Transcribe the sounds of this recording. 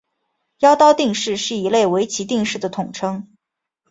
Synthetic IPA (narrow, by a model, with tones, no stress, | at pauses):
jɑ˥ʊt̪ɑ˥ʊt̪i˥˧ŋʂɻ̩˥˧ʂɻ̩˥˩i˧˥le˥˩ɪwe˧˥ɪt͡ɕʰi˧˥t̪i˥˧ŋʂɻ̩˥˩d̪ə˩t̪ʰʊ˨˩ŋʈ͡ʂʰɤ˥ŋ